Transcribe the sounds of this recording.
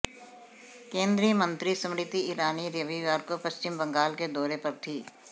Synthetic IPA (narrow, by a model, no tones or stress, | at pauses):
kẽːnd̪ɾiəmə̃nt̪ɾisɐ̃mɽɪt̪iiːɾaːniɾəʋiʋaːɾkopɐst͡ʃɪmbə̃ŋɡaːlked̪ɔːɾepɐɾt̪ʰiː